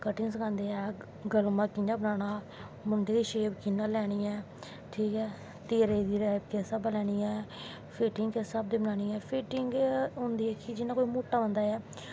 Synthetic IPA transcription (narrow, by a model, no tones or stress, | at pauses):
kəʈɪŋsəkʰãːnd̪eːɛː | ɡəlmãːkɪnãːbənaːɽ̃aː | mʊɳɖeːd̪iːʃeːbkɪnaːlɛːɽ̃iːɛː | ʈʰiːkɛː | t̪eːɾeːd̪iːɾɛːkesəbalɛːɽ̃iːɛː | pʰeːʈɪŋɡkesəb̚d̪eːbənaːɽ̃iːɛːpʰeːʈɪŋɡɦʊ̃nd̪iːɛːkɪd͡ʒɪnaːkoːiːmoːʈaːbənd̪aːɛː